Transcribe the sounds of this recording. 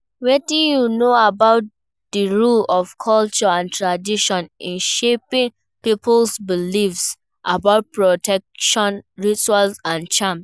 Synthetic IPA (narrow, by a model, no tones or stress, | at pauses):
wɛdijunoabaʊt | diɹulɔfkʰɔlt͡ʃɔãntʰɹadiʃɔ̃nʔĩnʃepĩŋ | pipəlsbilifs | ʔabaʊt̚pɹɔtʰɛk̚ʃɔ̃nɹit͡ʃualsãnt͡ʃãm